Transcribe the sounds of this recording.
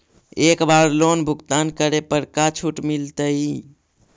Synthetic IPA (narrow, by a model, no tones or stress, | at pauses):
ekbaɾlonbʱuɡt̪ankəɾepəɽkat͡ʃʰuʈmilt̪əi